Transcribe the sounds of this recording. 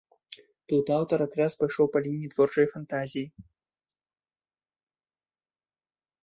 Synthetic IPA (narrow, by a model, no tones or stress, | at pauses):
t̪ut̪awt̪ɐɾakɾaspajʂɔwpalʲinʲːit̪vɔrt͡ʂɐjfant̪azʲiji